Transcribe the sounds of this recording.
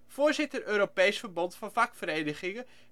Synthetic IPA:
foːɹzɪtərøːɾopejsfəɹbɔntfɑnfakfəreːnəχɪŋə

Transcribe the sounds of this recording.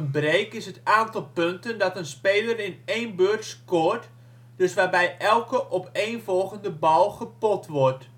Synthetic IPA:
ənbrejkɪsətaːntɑlˠpøntəndɔtənspeːlərɪneːnbørtskoːrt | d̥ɵsʋaːrbɛjʔɛlˠkəʔɔpeːnvɔlˠɣəndəbɔlˠχəpɔtʰʋɔrt

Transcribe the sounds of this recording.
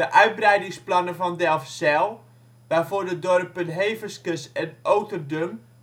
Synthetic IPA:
əʔœɥt̚brɛjdɪŋsplɑnəfɔndɛlˠfsɛlˠ | ʋafoːrdədɔrəpənɦeːvəskəsɛnʔowtərdøm

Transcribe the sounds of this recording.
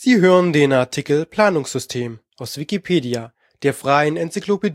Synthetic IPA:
z̥iːɦøːʁəndeːnaɐtʰikl̩pʰl̥aːnʊŋsz̥ʏstʰeːmʔaʊsv̥ikipʰeːdia | d̥eːɐfʁ̥aɪənɛnt͡sikloped

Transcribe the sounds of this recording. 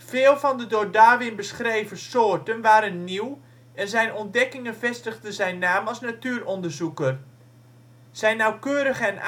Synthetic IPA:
fɪːlˠvɔndədʊːdaːʋɪnbəsχrejvəsoːrtənʋaːɾənːiw | ɛnzɛjnɔnt̚dɛkɪŋənvɛstəɣdəzɛjnːaːmɑlˠsnatyːrɔndəɹzukər | z̥ɛjnːawkøːɾəɣəɛn

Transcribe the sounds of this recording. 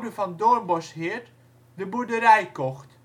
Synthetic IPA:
dəvɑndɔɹmbɔshɪːɹt | dəbudəɾɛjkɔxt

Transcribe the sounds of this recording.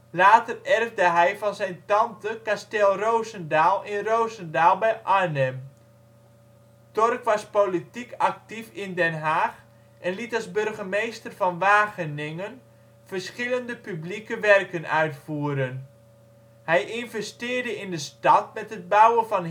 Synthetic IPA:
laːtərɛrvdəɦɛjvɑnzɛjntɑntəkastɛlˠrowzəndaːlˠɪnrowzəndaːlˠbɛjʔaɹnɛm | tɔrkʋɑspolitikɑk̚tifɪndɛnɦaːx | ʔɛnlitɑlˠzbɵrɣəmejstərvɑnʋaːɣənɪŋən | fərsχɪləndəpyblikəʋɛrkənʔœɥtfuːəɾən | hɛjʔɪnvɛstɪːrdəɪndəstɑtmɛtɦəd̚bawəvɑn

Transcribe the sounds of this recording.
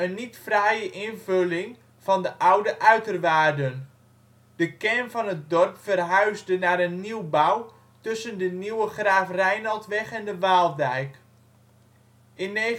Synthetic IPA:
ənːitfrɛjəʔɪnvølɪŋ | v̥ɑndəʔawdəʔœɥtərʋaːrdən | d̥əkɛnvɔnət̚dɔrpfərɦœɥzdənaːɾənːiwbaw | tɵsəndəniwəχraːfrɛjnɑlˠtʋɛχɛndəʋaːlˠdɛjk | ʔɪnːe

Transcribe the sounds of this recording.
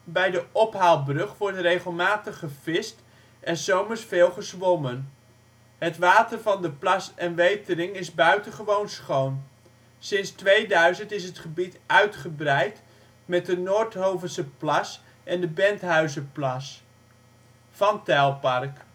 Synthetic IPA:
bɛjdəʔɔpɦalˠbrɵχʋɔɹtrejχəlˠmaːtəχəv̥ɪst | ʔɛnzowməɹsfeːlˠχəsʋɔmən | ɦətʋaːtərvɑndəplɑsɛnʋejtəɾɪŋɪzbœɥtənχəʋownsχown | sɪnstʋejdœɥzəntɪsɦətχəbitʔœɥtχəbrɛjt | mɛt̚dənoːɹtɦowvəsəplɑs | ʔɛndəbɛntɦœɥzəplɑs | fɑntɛlˠpɑrk

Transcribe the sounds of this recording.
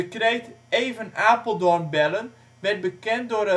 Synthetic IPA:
əkrejteːvənaːpəl̩ˠdɔnbɛlən | ʋɛrt̚bəkɛnt̚dorə

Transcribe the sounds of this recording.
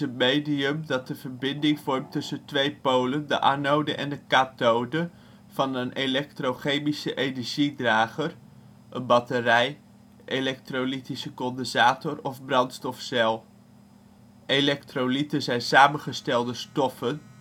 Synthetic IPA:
ətmejdiəmdɑt̚dəv̥əɹbɪndɪŋvɔɹmtɵsəntʋejpowləndə̰ʔa̰nowdəʔɛ̰ndəkatowdə | v̥ɑnənʔelɛktrowχejmisəʔenəɹʒidraːχər | ʔənbɑtərɛj | ʔelɛk̚trolitisəkɔndəzaːtɔɹɔfbrɑntstɔfsɛlˠ | elɛktrolitəzɛjnsaːmənχəstɛlˠdəstɔfən

